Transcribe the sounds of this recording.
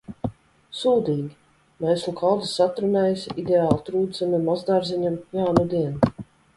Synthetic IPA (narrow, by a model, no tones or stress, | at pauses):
suːd̪iːɡʲi | mɛjslˠukʰalˠd̪i̥sat̪ɾunɛːjsid̪ʲeaːlˠt̪ɾuːd̪zamimazd̪aɾziɲamjaːnud̪iɛn